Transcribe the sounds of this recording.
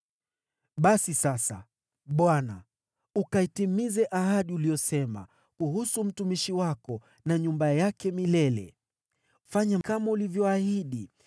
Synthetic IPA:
ɓasisasa̰ | ɓwana̰ | ukaitimizɛʔahaɗiuliɔsɛma̰ | kuhusum̩tumiʃiwakɔ | naɲumbajakɛmilɛlɛ̰ | faɲakamaulivjɔahiɗi

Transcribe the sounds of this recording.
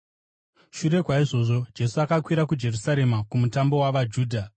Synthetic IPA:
ʃuɾe̞kwaiʐo̞ːʐo̞d͡ʒe̞suakakwiɾak̬ud͡ʒe̞rusaɾe̞makumutambo̞waʋad͡ʒuːdʱa

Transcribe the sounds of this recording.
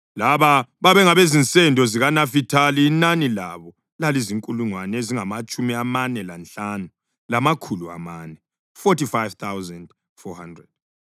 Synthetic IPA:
laβaβaβɛŋaβezint͡sʼɛndʱɔziɣanafitʰaliːnanila̰βɔ | laliziŋkʼuluŋwaneziŋamat͡ʃʼumiamanɛlant͡ɬanu | lamakʰulua̰manɛ | fɔtifajvt̪ʰawzand | fɔhandrɛd̥̚

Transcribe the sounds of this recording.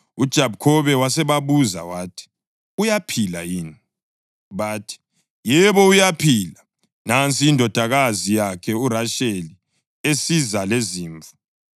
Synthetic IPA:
ud̥ʒ̥ʱabkʰɔβɛwasɛβaβuza̰watʰi̥ | ujapʰila̰jiːni | βaːtʰi̥ | jɛβɔujapʰila | nant͡sʼiːndʱɔd̥ʱaɣazijakʰɛuraʃeli | esizaleziːɱvʱu̥

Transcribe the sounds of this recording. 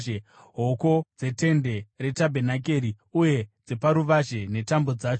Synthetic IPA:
ɦo̞ko̞d͡ze̞te̞nde̞re̞tabʱenak̬e̞ːɾi | uje̞d͡zepaɾuʋaʒe̞ne̞tambo̞d͡zaːt͡ʃo

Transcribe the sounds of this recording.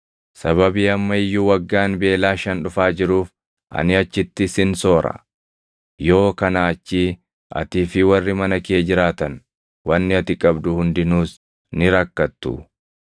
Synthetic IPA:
sɐβɐbiːɐmːɐɪjːuːwɐɡːaːnbe̞ːlaːʃɐnᶑʊfaːd͡ʒɪɾuːf | ʔɐ̰nɪɐt͡ʃːɪt̪ːɪsɪnso̞ːɾɐ̰ | jo̞ːkɐnaːt͡ʃːiː | ʔɐ̰t̪iːfɪwɐrːɪmɐnɐkɪeːd͡ʒɪɾaːt̪ɐn | wɐnːɪɐt̪ɪkʼɐbd̪ʊhʊnd̪ɪnuːs | nɪɾɐkːɐt̪ːʊ̰

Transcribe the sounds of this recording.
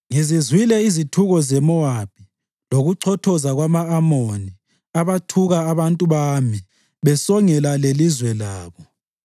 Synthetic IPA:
ŋizizwilɛizitʰuɣɔzɛmɔwap̚ʰʼi | loɣuǀʰɔtʰɔzaɣwamaːmoni | aβatʰuɣaːβantʼuβami | βɛsɔŋɛlalelizwɛlaːβɔ

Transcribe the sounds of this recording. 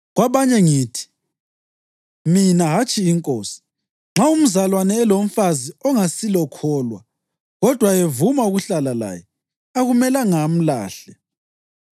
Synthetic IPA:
ɣwaβaɲɛŋiːtʰi̥ | minaɦat͡ʃʼiːŋkʼoːsi̥ | ŋ͡ǁaum̩zalwanɛːlom̩faziɔŋasilɔkʰɔːlwa̰ | ɣɔd̥ʱwaevumauɣuɬalala̰ːjɛ | aɣumɛlaŋam̩la̰ːɬɛ

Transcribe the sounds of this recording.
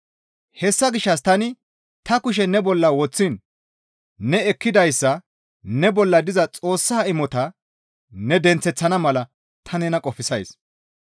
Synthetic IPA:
hɛsːɐɡɪʃːɐs̬t̪ɐnɪ | t̪ɐkʊʃ̬ɛnɛbɔlːɐwɔt͡sːɪnː | ɛɛkːɪd̪ɐjsːɐ | nɛbɔlːɐd̪ɪzɐt͡sʼo̞ːsːaːɪmːɔt̪ɐ | nɛd̪ɛnt͡sːɛt͡sːɐnɐmɐlɐ | t̪ʰɐnɛnɐkʼɔfɪsɐjs

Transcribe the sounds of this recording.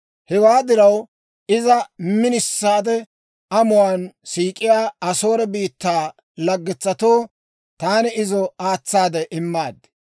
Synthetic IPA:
hɛwaːd̪ɪɾɐw | ʔɪzɐmɪnɪsːaːd̪ɛ | ɐmʊwaːnsiːkʼɪjaːɐso̞ːɾɛbiːt̪ːaː | lɐɡːɪt͡sːɐt̪o̞ː | t̪aːnɪɪzɔaːt͡sːaːd̪ɛʔɪmːaːd̪

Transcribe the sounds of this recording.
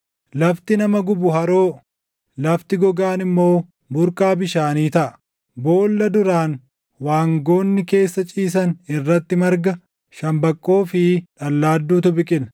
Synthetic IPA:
lɐft̪ɪnɐmɐɡʊbʊɦɐɾo̞ː | lɐft̪ɪɡɔɡaːnɪmːo̞ː | bʊɾkaːbɪʃaːniːt̪ɐʔɐ̥ | bo̞ːlːɐd̪ʊɾaːn | waːŋɡo̞ːnːɪke̞ːsːɐt͡ʃʼiːs̬ɐnɪrːɐt̪ːɪmɐɾɡɐ | ʃɐmbɐkʼːo̞ːfɪᶑɐlːaːd̪ːuːt̪ʊbɪkʼɪl

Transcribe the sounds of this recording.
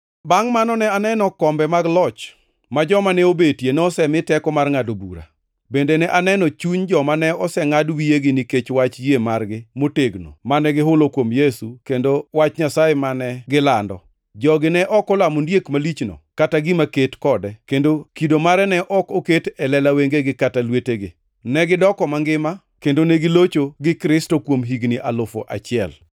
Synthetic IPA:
baŋmanɔnɛanɛnɔkɔmbɛmaɡlɔt͡ʃ | mad͡ʒɔmanɛobetjenɛɔsɛmɪtɛkɔmarŋadobṵɾa̰ | bendenɛʔanɛnɔt͡ʃuɲd͡ʒɔmanɛɔsɛŋadwijeɡɪniket͡ʃwat͡ʃjemarɡɪmoteɡno̰manɛɡɪɦʊlokwomjesukendowat͡ʃɲasaemanɛɡɪlandɔ̰ | d͡ʒɔɡɪnɛʔɔkɔlamondjekmalit͡ʃno̰kataɡɪmaketkɔdɛkendokidomaɾɛnɛʔɔkoketɛlɛlaweŋɡeɡɪkatalweteɡɪ | nɛɡɪdɔkɔmaŋɡɪma | kendoneɡɪlot͡ʃoɡɪkɾɪstokwomɦiɡnɪʔalʊfo̰ʔa̰t͡ʃɪɛl

